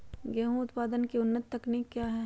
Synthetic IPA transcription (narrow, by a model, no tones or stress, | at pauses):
ɡɛːɦũʊt̪paːd̪ənkiʊnːət̪ːɐknikːjaːɦɛ